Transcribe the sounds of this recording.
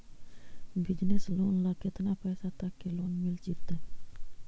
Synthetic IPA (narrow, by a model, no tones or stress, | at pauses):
bid͡ʒneslonlaket̪ənapajsat̪akːelonmilt͡ʃit̪ːɪ